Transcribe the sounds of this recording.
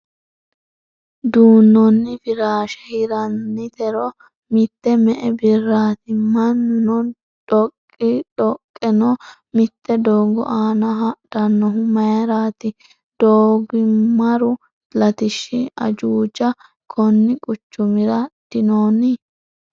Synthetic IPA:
d̪uːnːɔnːɪfɪɾaːʃɛhɪɾɐnːɪt̪ɛɾɔ | mɪt̪ːɛmɛʔɛbɪrːaːt̪ɪmɐnːʊnɔ | ᶑɔkʼːɪᶑɔkʼːɛnɔ | mɪt̪ːɛd̪oːɡɔ̰ʔaːnɐɦɐd̪̥ɐnːɔɦʊmɐjɐɾaːt̪ɪ | d̪̥oːɡɪmɐɾʊ | lɐt̪ɪʃːɪɐ̰d͡ʒuːd͡ʒɐ | kʰɔnːɪkʼʊt͡ʃːʊmɪɾɐd̪̥ɪnoːnɪ

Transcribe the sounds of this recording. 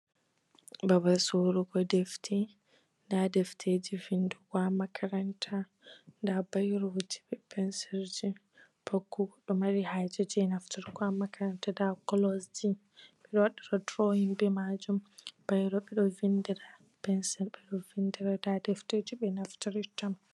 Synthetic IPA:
babasoɾuɡɔdɛftʰɛ | ndadɛftʰed͡ʒivinduɡwamakʰaɾantʰa | ndabajɾod͡ʒi̥bɛpʰɛnsɛɾd͡ʒi | pʰokːuɡɔɗɔmaɾihad͡ʒad͡ʒɛnaftaɾɡwamakʰaɾantadakɔlɔsd͡ʒi | ɓɛɗɔwaɗːaɾɔtɾoinbɛmad͡ʒumb̥ajɾɔɓɛɗɔvindiɾa | pɛnsɛɾɓɛɗɔvindiɾadadɛfted͡ʒiɓɛnaftaɾitam

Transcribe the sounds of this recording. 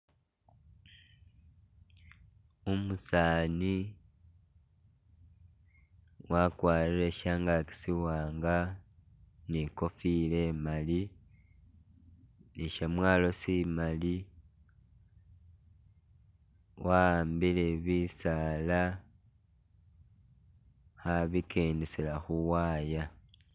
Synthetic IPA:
umusaːni | wakwaːɾiɾeʃaːŋɡaki̥siwaːŋɡa | niko̞fiːle̞mali | niʃamwaːlo̞simali | waaːmbileβisala | xaβikʰeːndeselaxuwaːja

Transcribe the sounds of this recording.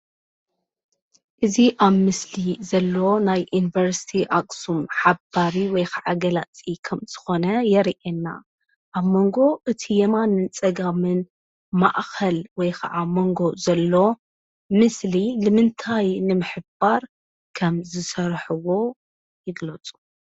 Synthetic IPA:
ʔɨziʔaβmɨslizɐlːo̞najjunivɐɾsi̥t̪ʰiʔakʼsumħabaɾiwɔjkʰaʕaɡɐlat͡sʼikʰɐmz̥ɨ̥xo̞nɐjɛɾiʔenːa̰ | ʔaβmo̞ŋɡo̞ʔɨt̪ʰijɛmanɨnt͡sʼɐɡamɨn | ma̰ʔxɐlwɔjkʰaʕamo̞ŋɡo̞zɐlːo̞ | mɨslilɨmɨnt̪ʰajnɨmɨħɨb̥aɾ | kʰɐmzɨsɐɾħɨwo̞ | jɪɡlɐt͡sʼu̥

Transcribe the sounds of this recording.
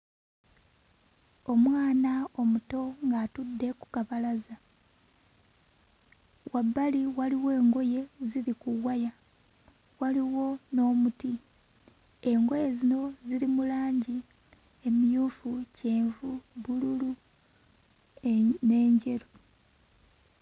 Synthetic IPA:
o̞mwaːnao̞muto̞ŋɡatudːe̞ku̥kaβalaza | wʔabːaliwaliwe̞ːŋɡo̞je̞ziɾikuwaja | waliwo̞no̞ːmuti | e̞ŋɡo̞je̞zino̞ziɾimulaːɲɟi | emijuːfuce̞ːɱvuβululu | ne̞ːɲɟe̞ɾu

